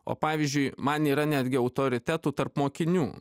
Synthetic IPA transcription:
o̰ːpɑːʋʲizʲd͡ʒʲʊɪmɐniːɾɐnʲæːd̪ʲɡʲɪɐʊt̪oːɾʲɪt̪ʲæːt̪uːt̪ɐrpmoːkʲɪnʲuː

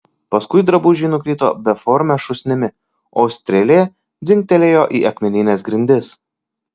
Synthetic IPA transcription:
pɐskʊɪd̪ɾɐbʊʒʲiːnʊkʲɾʲiːt̪o̰ːbʲɛfɔɾʲmʲɛʃʊsʲnʲɪmʲɪ | ɔːʊsʲt̪ʲɾʲɛlʲeːɛ | d̪zʲɪŋʲk̚ʲt̪ʲɛlʲeːjoːʔiːʔɐkmʲɛnʲɪnʲeːsɡɾʲɪnʲd̪ʲɪs

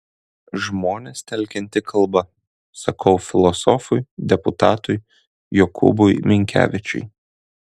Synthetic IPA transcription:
ʒmoːnʲest̪ʲɛlʲˑkʲɛnʲt̪ʲɪkʰɐlˠbɐ | sɐkʰɐʊfʲɪlˠɔsɔfʊjd̪ʲɛpʊt̪ɑːt̪ʊj | jɔkʰʊ̰bʊjmʲɪŋʲkʲæ̰ːʋʲɪt͡ʃʲʊ̰ɪ

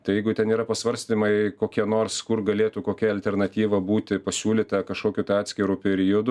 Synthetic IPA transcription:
t̪ɐɪjɛɪɡʊt̪ʲɛniːɾɐpɐsʋɐɾʲsʲt̪ʲinʲɪmɐɪkoːkʲiɛnoːrskʊrɡɐlʲeːt̪ʊkoːkʲɛɐlʲt̪ʲɛrnɐt̪ʲiːʋɐbuːt̪ʲɪpɐsʲuːlʲiːt̪ɐkɐʃkoːkʲut̪ɐɪɑːt̪ʲsʲkʲɪɾuːpʲɛɾʲɪjod̪ʊ

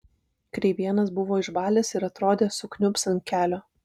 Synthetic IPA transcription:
kɾʲɛɪʋʲiɛnɐsbʊʋoːɪʃbɑːlʲeːsɪɾɐt̪ɾoːd̪ʲeːsʊknʲʊpsʲɐn̚ʲkʲæːlʲoː

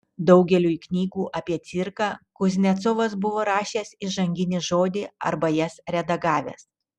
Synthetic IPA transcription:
d̪ɒʊɡʲɛlʲuːiknʲiːɡuːʔɐpʲiɛt̪sʲɪɾkɑːkʊzʲnʲɛt̪sɔʋɐsbʊʋoːɾɑːʃʲeːsɪʒɐŋʲɡʲɪnʲɪʒoːd̪ʲɪɐ̰ɾbɐjɛsɾʲɛd̪ɐɡɑːʋʲɛ̰ːs

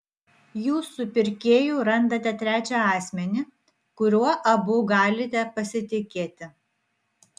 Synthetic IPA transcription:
juːsʊpʲɪɾʲkʲeːjuːɾɐnd̪ɐt̪ʲɛt̪ʲɾʲæːt͡ʃʲɛɑːsʲmʲɛnʲɪ | kʊɾʲuɔʔɐbʊɡɑːlʲɪt̪ʲɛpɐsʲɪt̪ʲɪkʲeːt̪ʲɪ

